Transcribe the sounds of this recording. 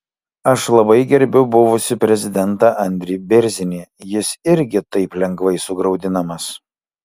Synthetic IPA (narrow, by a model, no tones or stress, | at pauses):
ɐʃlˠɐbɐɪɡʲɛɾʲbʲʊbʊʋʊsʲɪpʲɾʲɛzʲɪd̪ʲɛnt̪ɑʔɐnʲd̪ʲɾʲɪbʲɪɾʲzʲɪnʲiːjɪsɪɾʲɡʲɪt̪ɐɪplʲɛŋɡʋɐɪsʊɡɾɐʊd̪ʲɪnɐmɐs